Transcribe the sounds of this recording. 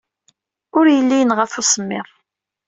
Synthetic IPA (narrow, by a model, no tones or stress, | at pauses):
ʊɾjəlːijənʁəfusəmːɪðˤ